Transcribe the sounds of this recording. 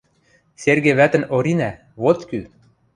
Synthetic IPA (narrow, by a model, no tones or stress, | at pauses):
serɣeβæt̪ə̆noɾinæ | βot̪ky